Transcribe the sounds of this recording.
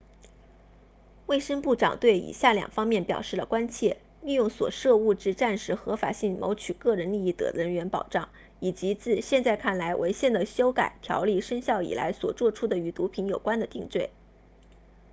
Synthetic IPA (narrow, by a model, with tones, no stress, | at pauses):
we˥˩ɪʂə˥ŋpu˥˩ʈ͡ʂɑ̰˨˩ŋt̪we˥˩ɪḭ˨˩ɕja˥˩ljɑ̰˨˩ŋfɑ˥ŋmjɛ˥˩npjɑ˨˩ʊʂɻ̩˥˩lə˩kwa˥nt͡ɕʰjɛ˥˧ | li˥˧jʊ˥˩ŋswɔ̰˨˩ʂɤ˥˧u˥˧ʈ͡ʂɻ̩˥˧ʈ͡ʂa˥˩nʂɻ̩˧˥xɤ˧˥fa̰˨˩ɕi˥˩ŋmo˧˥ʊt͡ɕʰy˨˩kɤ˥˩ɻə˧˥nli˥˧i˥˩t̪ɤ̰˧˩ɻə˧˥nɥɛ˧˥npɑ˨˩ʊʈ͡ʂɑ˥˩ŋ | i˨˩t͡ɕi˧˥t͡sɹ̩˥˧ɕjɛ˥˧nt͡sa˥˧ɪkʰa˥˩nla˧˥ɪwʔḛ˧˥ɪɕjɛ˥˩nd̪ə˩ɕjo˥ʊka̰˨˩ɪt̪ʰjɑ̰˧˥ʊli˥˩ʂə˥ŋɕjɑ˥˩ʊḭ˨˩la̰˧˥ɪswɔ˨˩t͡swɔ˥˧ʈ͡ʂʰu˥d̪ə˨y˧˥t̪u˧˥pʰi˧˥njo˨˩ʊkwa˥nd̪ə˨t̪i˥˧ŋt͡swe˥˩ɪ